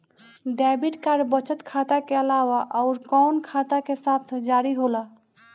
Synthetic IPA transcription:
ɖɛbiʈkaɾbət͡ʃət̪kʰat̪akeəlawaʔɔʊɾkɔʊnkʰat̪akesat̪ʰd͡ʒaɾiɦola

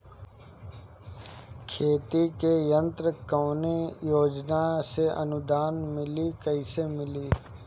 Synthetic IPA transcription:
kʰeːt̪ikejə̃nt̪ɾəkəːnejoːd͡ʒnaseʔənʊd̪aːnmɪlikəɪsemɪliː

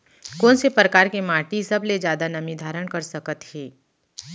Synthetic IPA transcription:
koːnsepɾəkaːɾkemaːʈisɐbled͡ʒjaːd̪anɐmid̪ʱaːɾəɽkɐɾsɐkət̪heː

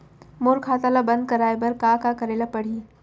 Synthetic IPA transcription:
moɾkʰaːt̪alabɐ̃nd̪̚kɐɾaːebɐɾkaːkakɐɾeːlapɐɽ̤iː

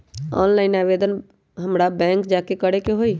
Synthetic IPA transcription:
ɔ̰nlaɪnabed̪ən | ɦəmɾabɛ̃ŋkd͡ʒakekəɽekeɦoi

